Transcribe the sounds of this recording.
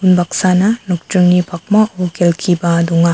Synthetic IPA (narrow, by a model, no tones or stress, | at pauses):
unbak̚sanɐnuk̚tɾɯŋnipʰak̚maʔukʰelkʰibɐduŋa